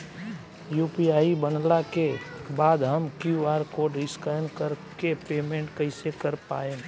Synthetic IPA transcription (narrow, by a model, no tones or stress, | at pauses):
juːpiaːibənlakebaːd̪ɦəmkjuaːɾkoːɖɪskajnkəɾkepeːmẽːɳʈkəɪsekəɾpa̰ːeː